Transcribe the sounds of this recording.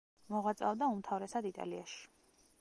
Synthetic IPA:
mɔʁat̪sʼa̰vd̪aumt̪ʰavɾɛsad̪it̪ʼa̰liaʃi̥

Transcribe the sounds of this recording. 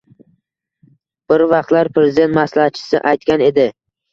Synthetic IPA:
b̥ɪɾvɑq̚t̪laɾpʰɾezɪd̪e̞nt̪maslahat͡ʃʰɪ̥sɪ̰ʔajt̪kʲane̞d̪ɪ

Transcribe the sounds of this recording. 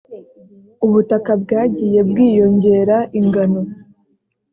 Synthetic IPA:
uβutakab̚ɡaːɟiːje̞b̚ɡiːjo̞ɲɟe̞ːɾaʔiŋɡano̞

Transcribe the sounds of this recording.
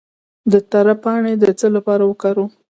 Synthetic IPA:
d̪ət̪aɾapɑɳed̪ət͡səlapɑɾawəkɑɾo

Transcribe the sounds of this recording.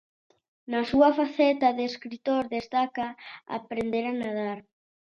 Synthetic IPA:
nasuafaθɛt̪aðeskɾit̪oɾðest̪akaa̰pɾend̪eɾanað̞aɾ

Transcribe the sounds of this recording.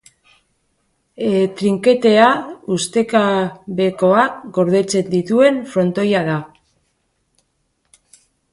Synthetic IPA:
et̪ɾiŋke̞t̪e̞aust̪e̞kaβe̞ko̞aɡo̞ɾð̞e̞t͡se̞nd̪it̪ue̞nfɾo̞nt̪o̞jaða

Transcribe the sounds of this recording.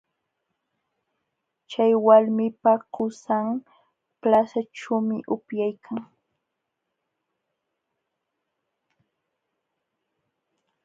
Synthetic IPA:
t͡ʃajwalmɪpaɢʊsaŋ | plasaʈ͡ʂamɪʔʊpjajkʰaŋ

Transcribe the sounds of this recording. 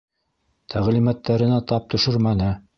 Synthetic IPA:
t̪ʰæʁlimæt̪ːæɾɘ̆næt̪ɑp̚t̪ɵ̆ʃɵɾmænɘ

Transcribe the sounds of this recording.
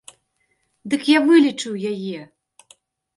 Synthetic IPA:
d̪ɨkjavɨlʲit͡ʂɨwjajɛ

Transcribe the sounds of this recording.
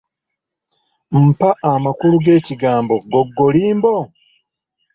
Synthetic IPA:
m̩paʔamakuluɡe̞ːciɡaːmbo̞ɡoɡːoliːmbo

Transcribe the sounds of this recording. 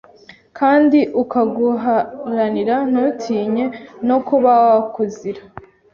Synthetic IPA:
kʰaːndiʔukaɡuɦaɾaniɾan̥utʰiːɲe̞no̞kuβaakuziɾa

